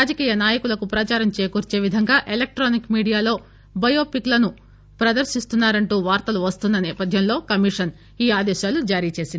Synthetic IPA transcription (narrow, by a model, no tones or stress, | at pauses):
aːd͡ʒɐkiːjɐnaːjɐkulɐkupɾɐt͡ʃaːɾɐmt͡ʃe̞ːkuɾt͡ʃe̞ːʋid̪ʱɐŋɡaːʔelek̚ʈɾoːnikmiːɽijaːlo̞ː | bɐjo̞ːpiklɐnu | pɾɐd̪ɐɾʃist̪unːaːɾɐɳʈuːʋaːɾt̪ɐluʋɐst̪unːɐnɛːpɐd̪ʱjɐmlo̞ːkɐmiʂɐn | iːaːd̪ɛːʃaːlud͡ʒaːɾiːt͡ʃe̞ːsini